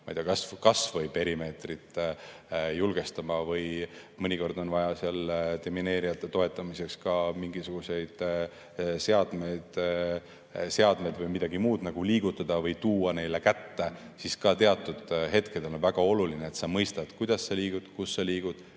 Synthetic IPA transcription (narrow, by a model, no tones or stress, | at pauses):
mɑijd̪eɑkɑskɑsvɤjpe̞ɾime̞ːt̪rit̪ˑ | julɡ̥e̞st̪ɑmɑvɤjmɤnʲiko̞rd̪o̞nvɑjɑseɑlt̪emine̞ːɾijɑt̪ːˑe̞t̪o̞e̞t̪ːˑɑmise̞kskɑmiŋɡ̥isuɡ̥use̞jd̪̥ | seɑd̪̥me̞jd̪̥ | seɑd̪̥me̞d̪vɤjmid̪̥ɑɡ̥imuːd̪̥nɑɡ̥uliːɡ̥ut̪ːˑɑd̪̥ɑvɤjt̪uːɑne̞jle̞kæt̪ːe | siskɑt̪e̞ɑt̪ːˑud̪̥ɦe̞t̪ke̞d̪e̞lnvæɡ̥ɑo̞lulineːt̪sɑmɤjst̪ɑd̪̥kujd̪̥ɑsːeliːɡ̥ud̪̥kusːɑliːɡ̥ud̪̥